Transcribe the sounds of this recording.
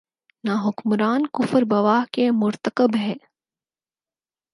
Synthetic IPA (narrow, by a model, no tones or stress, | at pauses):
naːɦʊkmɾaːnkʊfəɾbɐʋaːɦkemʊɾt̪əkəbɦɛː